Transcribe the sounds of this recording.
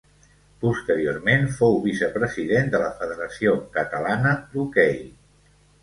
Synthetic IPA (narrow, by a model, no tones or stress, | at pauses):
pust̪əɾiormenfowβisəpɾəziðend̪ələfəðəɾəsiokət̪əlanəlukɛj